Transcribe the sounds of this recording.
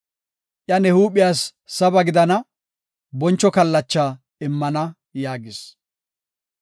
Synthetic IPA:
ʔjɐnɛhuːpɪjaːsːɐbɐɡɪd̪ɐnɐ | bɔnt͡ʃːɔkɐlːɐt͡ʃːaː | ɪmːɐnɐ | jaːɡɪs

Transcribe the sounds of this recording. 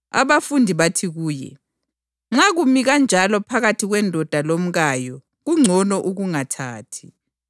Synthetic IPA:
a̰βafundʱiβatʰiɣuːjɛ̰ | ŋ͡ǁaɣumiɣand͡ʒʱalɔpʰaɣatʰiɣwɛndʱɔd̥ʱalom̩ɣajɔ | ɣuŋ͡ǀʱɔnɔʔuɣuŋatʰaːtʰi̥

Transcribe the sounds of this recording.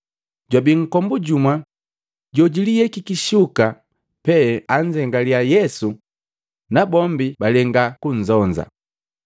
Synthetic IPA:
ɟwabiŋ̩kɔmbuɟumwa | ɟɔɟilijɛkikiʃuka | pɛaɲd͡ʒɛŋɡaliajɛsu | nabɔmbibalɛŋɡakuɲ̩zɔɲd͡ʒa̰

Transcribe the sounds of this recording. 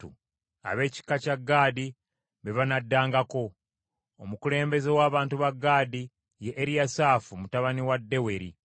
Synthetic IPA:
ṵ | a̰βe̞ːci̥kacaɡːaːdi | βeβanadːaːŋɡako̞ | omukule̞ːmbe̞zewaːβaːntuβaɡːaːdi | jeʔːɾijasaːfumutaβaniwadːe̞we̞ɾḭ

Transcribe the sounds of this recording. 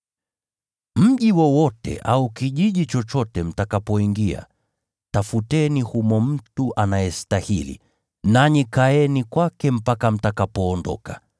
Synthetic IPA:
m̩ʄiwɔwɔtɛ̰ʔaukiʄiʄit͡ʃɔt͡ʃɔtɛm̩takapɔiŋɡia̰ | tafutɛnihumɔm̩tuʔanajɛstahilḭ | naɲikaɛnikwakɛm̩pakam̩takapɔːndɔ̰ka

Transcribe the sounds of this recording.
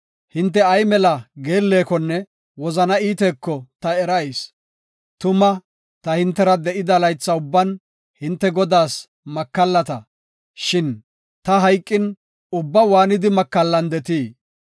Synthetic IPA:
hɪnt̪̬ːɛɐjmɛlɐɡe̞ːlːe̞ːkɔnːɛ | wɔzɐnɐiːt̪eːkːɔt̪ɐɛɾɐjs | t̪ʊmɐ | t̪ɐhɪnt̪ːɛɾɐd̪ɛʔɪd̪ɐlɐjt͡sːɐʊbːɐn | hɪnt̪ːɛɡɔd̪aːs | mɐkːɐlːɐt̪ɐ | ʃɪn | t̪ɐɦɐjkʼːɪn | ʊbːɐwaːnɪd̪ɪmɐkːɐlːɐnd̪ɛt̪iː

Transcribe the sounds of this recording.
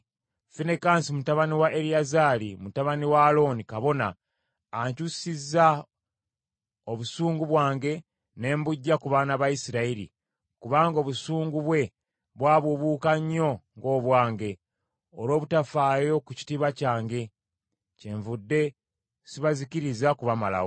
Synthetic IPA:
finekaːnsimutaβaniwaʔeɾiazaːlimutaβaniwaːlo̞nikaβo̞naː | ɲcusizːa | oβusuːŋɡuβwaːŋɡe̞ | ne̞ːmbuɟːakuβaːnaβajisiɾaiɾḭ | kuβaːŋɡo̞ːβusuːŋɡuβwe̞ | βwaːβuβukaɲːo̞ŋɡo̞ːβwaːŋɡe̞ | olo̞ːβutafaːjo̞kuci̥tiβacaːŋɡe̞ | ceɱvudːe̞ | siβazikiɾizakuβamala̰ho

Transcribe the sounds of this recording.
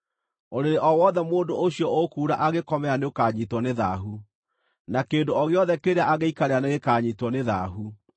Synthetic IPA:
oɾeɾeʔɔwɔðɛmoːndooɕjɔʔokuːɾaʔaɣekɔmɛaneokaɲitwɔneðaɦu | nakeːndoɔɣeɔðɛkeɾeaʔaɣeikaɾeaneɣekaːɲitwɔneða̰ːɦu

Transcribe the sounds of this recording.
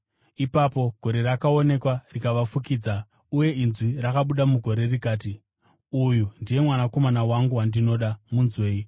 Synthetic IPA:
ipapo̞ɡ̥ʱo̞ɾe̞rakao̞ne̞kwarikaʋafukiːd͡za | uje̞inzwirakaɓuɗamuɡʱo̞ɾe̞rikaːti | ujundije̞mwanako̞manawaŋɡuwandino̞ɗamunzwe̞ːi

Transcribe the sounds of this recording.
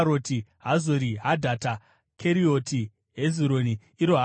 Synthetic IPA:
ɾotiɦazoɾiɦadʱata | kʰeɾio̞ti | ɦeziɾoni | iɾoɦa

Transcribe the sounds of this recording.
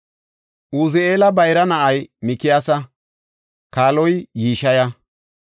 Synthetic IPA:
ʔuzɪeːlɐbɐjɾɐnɐʔɐjmɪkɪjaːsɐ | kaːlɔjːiːʃɐjɐ

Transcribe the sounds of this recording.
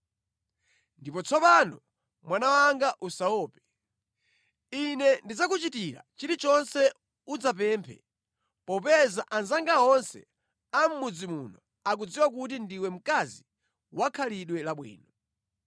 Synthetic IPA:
ndipɔt͡sʰɔpanɔ | mwanawaŋɡaʔusaɔːpɛ̥ | inɛndid͡zak̬ut͡ʃitiɾa̰t͡ʃiɾit͡ʃɔnsɛ | ud͡zap̬ɛːmpʰɛ̰ | pɔpɛzaʔanzaŋɡaɔnsɛ̰ | am̩mud͡zimunɔ | ak̬ud͡ziwak̬ut̬indiwɛm̩kazi | wakʰaliɗwɛlaɓwḭːnɔ

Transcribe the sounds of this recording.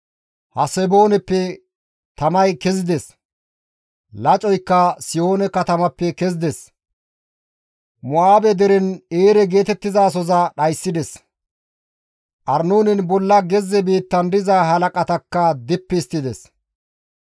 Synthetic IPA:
hɐsɛboːnɛpːɛ | t̪ɐmɐjkɛzɪd̪ɛs | lɐt͡ʃʼɔjkːɐsɪjoːnɛkɐt̪ɐmɐpːɛkɛzɪd̪ɛs | mʊaːbɛd̪ɛɾɛneːɾɛɡe̞ːt̪ɛt̪ːɪzaːsɔzɐɗɐjsːɪd̪ɛs | ʔɐɾnoːnɪnbɔlːɐɡɛzːɛbiːt̪ːɐnd̪ɪzaːɦɐlɐkʼɐt̪ɐkːɐd̪ɪpːɪːst̪ːɪd̪ɛs

